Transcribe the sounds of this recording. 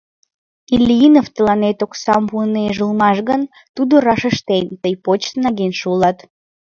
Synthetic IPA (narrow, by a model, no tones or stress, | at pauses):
ilʲiinoft̪əlɑnet̪oksɑmpuəneʒəlmɑʃɣən | t̪ud̪orɑʃəʃt̪ent̪əjpot͡ɕsnɑɣenʃuulɑt̪